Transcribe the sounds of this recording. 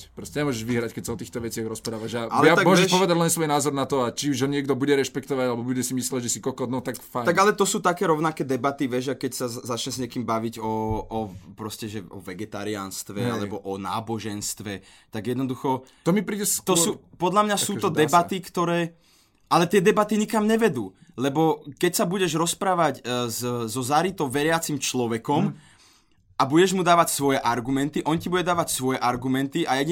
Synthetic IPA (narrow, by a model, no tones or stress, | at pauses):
pɾɔscɛɲɛmɔʒɛʒʋiɦɾackɛcsaɔt̪iːxt̪ɔʋɛt͡sɪaɣɾɔspɾaːʋaʒaalɛjat̪amɔʒɛʃʃpɔʋɛd̪aɟlɛnsʋɔjnaːzɔɾnat̪ɔat͡ʃiuʒɦɔɲɪɛɡd̪ɔbuɟɛɾɛʃpɛkt̪ɔʋaɟalɛbɔbuɟɛsimislɛɟʒɛsikɔlkɔnɔt̪akfajt̪aɡɡalɛt̪ɔsuːt̪akɛːɾɔʊnakɛːd̪ɛbat̪iʋɛʒakɛcsazat͡ʃɲɛzɲɪɛkiːmbaʋiɟɔː | pɾɔscɛʒɛɔ̰ʋɛɡɛt̪a̰ːɾia̰nst̪ʋɛa̰lɛbɔʔɔna̰ːbɔʒɛnst̪ʋɛ | t̪aɡjɛd̪nɔd̪uxɔ | t̪ɔmipɾiːɟɛt̪ɔsuːpɔd̪lamɲasuːt̪ɔd̪ɛbat̪ikt̪ɔɾɛː | ʔalɛt̪ɪɛd̪ɛbat̪iɲikamɲɛʋɛd̪uː | lɛbɔkɛcsabuɟɛʒɾɔspɾaːʋaɟzzɔzaɾit̪ɔʋɛɾɪat͡simt͡ʃlɔʋɛkɔm | ʔabuɟɛʒmud̪aːʋacsʋɔjɛʔaɾɡumɛnt̪iʔɔncibuɟɛd̪aːʋacsʋɔjɛʔaɾɡumɛnt̪iʔajɛ